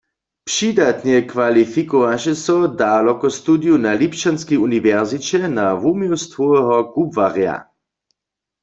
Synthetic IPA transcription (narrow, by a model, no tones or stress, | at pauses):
pʂidat̪nɛkʋalifikɔʋaʃɛsɔdalɔkɔst̪udjunalipt͡ʃanskiuniʋɛʁzit͡ɕɛnaʋumiwst̪vɔɛɦɔkubvaʁja̰